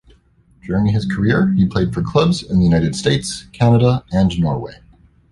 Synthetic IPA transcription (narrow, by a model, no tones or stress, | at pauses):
d̥ʊɹɪ̃ŋɨz̥kʰə˞ɪɹipʰl̥eɪd̥fə˞kʰl̥ʌbzɪ̃nðəjʉnaɪɾɨd̥steɪtskʰænəɾəɨ̃nnɔɹweɪ